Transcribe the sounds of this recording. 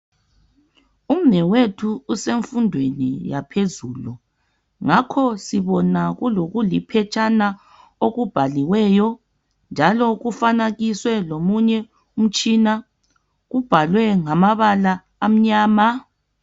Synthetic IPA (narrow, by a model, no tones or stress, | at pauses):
um̩mɛwetʰuːseɱfundʱwenḭjapʰezuːlu | ŋakʰɔsiβɔnaɣuloɣulipʰɛt͡ʃʼana | oɣub̥ʱaliwɛjɔ | nd͡ʒʱalɔɣufanaɣiswɛlomuɲɛ | um̩t͡ʃʼina | ɣub̥ʱalwɛŋamaβalaː | m̩ɲaːma